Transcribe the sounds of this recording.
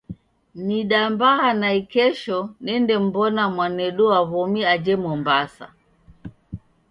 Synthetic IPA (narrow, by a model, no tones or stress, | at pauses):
niɗambahanaikɛʃɔnɛndɛm̩bɔnamwanɛɗɔaβɔmiad͡ʒɛmɔmbasa̰